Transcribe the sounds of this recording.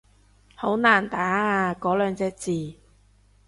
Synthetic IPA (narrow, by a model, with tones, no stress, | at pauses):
ho˨˥wnaː˨˩nt̪aː˨˥aː˧kɔː˨˧˥lœː˨˧ŋt͡sɛː˧k̚t͡siː˨